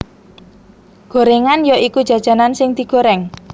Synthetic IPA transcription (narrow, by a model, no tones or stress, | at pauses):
ɡ̥o̤ɾeŋanjɔʔikud̥ʒ̥ä̤d̥ʒ̥ä̤nansɪŋd̪̥i̤ɡ̥o̤ɾɛŋ